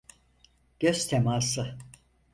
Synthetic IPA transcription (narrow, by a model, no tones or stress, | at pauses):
ɟ̥øz̥t̪ʰemaːsɯ